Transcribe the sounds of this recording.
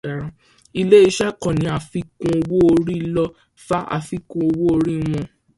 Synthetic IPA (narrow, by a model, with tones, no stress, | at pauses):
a˨ɾã˧ | i˧le˦i˧ʃɛ˦kɔ̃˨nĩ˨˦a˨fi˦kũ˧o˧wo˦o˧ɾi˦lɔ˧ | fa˦ʔa̰˧˨fi˦kũ˧o˧wo˦o˧ɾi˦w̃ɔ̃˧